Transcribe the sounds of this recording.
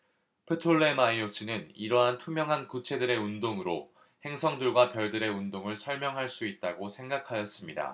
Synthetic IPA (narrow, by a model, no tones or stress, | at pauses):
pʰɯtʰoɭːe̞maios͈ɯnɯniɾʌɦantʰumjʌŋɦankut͡ɕʰe̞dɯɾe̞undoŋɯɾo | he̞ŋsʰʌŋdɯɭɡwapjʌɭdɯɾe̞undoŋɯɭsʰʌɭmjʌŋɦaɭs͈uit̚t͈aɡosʰe̞ŋɡakʰajʌs͈ɯmɲida̰